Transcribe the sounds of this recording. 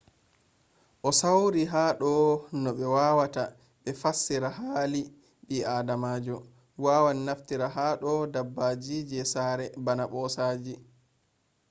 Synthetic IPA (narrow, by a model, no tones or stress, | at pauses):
ʔɔsawɾiɦaːɗɔnɔɓɛwaːwata | ɓɛfasːiɾahaːli | ɓiaːdamaːd͡ʒɔ | waːwaninaftiɾaɦaːɗɔdabːaːd͡ʒid͡ʒɛsaːɾɛbanaɓɔːsaːd͡ʒi